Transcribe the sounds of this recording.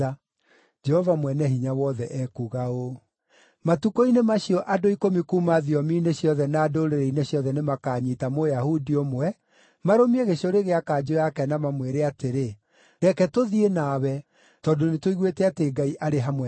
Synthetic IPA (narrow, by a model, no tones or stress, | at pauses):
d͡ʒɛhɔvamwɛnɛhiɲawɔðɛʔɛkuɣao | matukɔinemaɕiɔʔadoikomikumaðiɔmineɕjɔðɛnaːdoɾeɾɛineɕjɔðɛnemakaɲitamojahudiomoɛ | maɾomieɣeɕoɾeɣeakaːd͡ʒojakɛnamamweɾeateɾe | ɾɛkɛtoðienawɛ | tɔdonetoiɣwetɛateɡaiʔaɾeɦamwɛ